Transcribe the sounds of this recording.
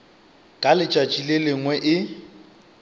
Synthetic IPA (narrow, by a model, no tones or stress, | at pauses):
kʼalɪt͡ʃʼat͡ʃʼilelɪŋwɛʔɪ